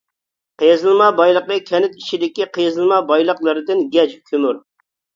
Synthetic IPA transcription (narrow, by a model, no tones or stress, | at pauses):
qʰejzɨlˠmɑbɑjlˠəqəkʲʰɛnɪt̪it͡ʃid̪ɪkʲiqʰejzɨlˠmɑbɑjlˠəqlˠɨɾɨd̪ɨnɡʲɛd͡ʒkʲʰømyɾ